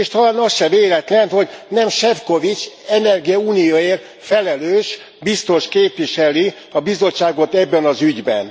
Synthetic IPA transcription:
eʃt̪ɒlaːnɒsʃɛveːlɛt̪lɛnho̞ɟnɛmʃɛfko̞vit͡ʃɛnɛrɡijɒuːnijoːeːr | fɛlɛløːʃ | bist̪o̞ʃkeːpʋiʃɛli | ɒbizo̞t͡ʃːaːɡo̞t̪ɛbːɛnɒzyɟbɛ̰n

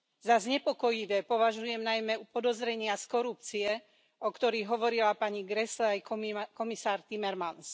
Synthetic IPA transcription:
zazɲɛpɔkɔjiʋɛːpɔʋaʒujɛmnajmɛupɔd̪ɔzɾɛɲɪaskɔɾup̚t͡siɛ | ʔɔkt̪ɔɾiɣɦɔʋɔɾilapaɲiɡɾɛslɛajkɔmisaːɾt̪imɛɾmans

